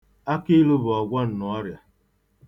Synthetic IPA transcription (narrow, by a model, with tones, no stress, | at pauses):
a˦kɪ˦lʊ˦bʊ˨ɔ˨ɡʷɔ˦n̩˨nɔ˨ɔ˦ɾja˨